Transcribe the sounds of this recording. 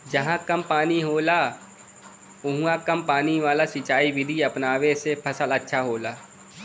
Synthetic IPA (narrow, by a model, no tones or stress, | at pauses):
d͡ʒɐɦãkɐmpaːniɦoːla | ʊɦũãkɐmpaːniʋaːlasɪt͡ʃaːiʋɪd̪ʱiɐpnaːwesepʰɐsəlɐtːʃʰaɦoːlaː